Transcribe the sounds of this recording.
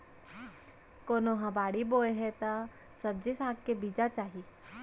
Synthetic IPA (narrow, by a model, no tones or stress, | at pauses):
koːnoɦãbaːɽiboːeɦɛt̪a | sɐb̚d͡ʒisaːkkebiːd͡ʒat͡ʃaːɦi